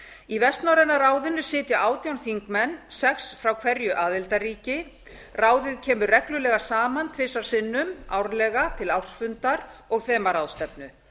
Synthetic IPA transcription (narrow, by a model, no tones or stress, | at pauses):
ivɛst̪nawɾɛnːaraːwðɪnːʏsɪːt̪jaʔaːwt̪jawnθiŋkmɛnːsɛksfɾawkʰvɛɾjʏʔaːðɪlt̪ariːcɪ | raːwðɪðcʰɛːmʏrɛklʏlɛːɣasaːmant̪ʰveːsaɾ̥sɪnːʏmawɾlɛɣat̪ʰɪlawr̥sfʏnt̪aɾɔɣθɛːmaɾawðst̪ɛpnʏ